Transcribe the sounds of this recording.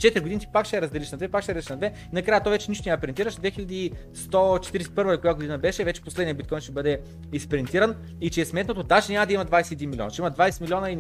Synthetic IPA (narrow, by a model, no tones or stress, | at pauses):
t͡ʃɛt̪ɾʲiɡod̪init̪ʲi̥pakʃɛɛɾɐzd̪ɛliʃnɐd̪vɛpakʃɛɾiʃnɐd̪vɛ | inɐkɾajət̪ɔjvɛt͡ʃɛniʃt̪onʲɛɐpɾint̪iɾəʃd̪vɛxilʲɐd̪i | st̪ɔt͡ʃɛt̪iɾisɛt̪i̥pɤɾvəd̪okojaɡod̪inɐbɛʃɛvɛt͡ʃɛ̥poslɛd̪niəbit̪kɔjnʃt̪ɛbɤd̪ɛ | ispɛɾint̪iɾən | it͡ʃɛɛsmɛt̪not̪ot̪aʃɛnʲamɐd̪ɐimɐd̪vajsɛːd̪inmiliɔ̰nəʃɛiməd̪vajsɛmilʲɔnɐi